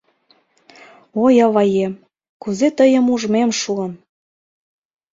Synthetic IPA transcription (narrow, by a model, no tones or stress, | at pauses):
ojɑβɑjem | kuzet̪əjə̆muʒmemʃuəm